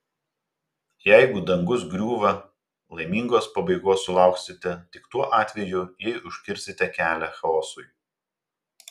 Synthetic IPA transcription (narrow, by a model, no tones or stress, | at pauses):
jɛɪɡʊd̪ɐŋɡʊs̬ɡɾʲuːʋɐ | lˠɐɪmʲiːŋɡoːspɐbɐɪɡoːsːʊlˠɑˑʊksʲɪt̪ʲɛt̪ʲɪkt̪uɔʔɑːt̪ʲʋʲɛjʊjɛɪʊʃʲkʲɪɾʲsʲɪt̪ʲɛkʲæːlʲɛxɐɔːsʊɪ